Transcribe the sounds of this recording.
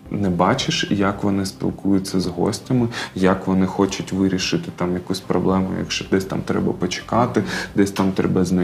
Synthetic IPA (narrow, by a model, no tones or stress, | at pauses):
nɛbɑt͡ʃɪʃjɐkʋɔnɪspʲḭlˠkujʊt͡sʲːɐzɦɔ̰sʲtʲɐmɪjɐkʋɔnɪxɔt͡ʃʊtʲʋɪɾʲiʃɪt̪ɪt̪ɑmjɐkusʲpɾɔblˠɛmʊ̰jɐ̰kʃt͡ʃɔd̪ɛsʲt̪a̰mt̪ɾɛ̰bɐpɔt͡ʃɪ̥kɑt̪ɪd̪ɛsʲt̪ɑmt̪ɾɛbɐzʲnɐ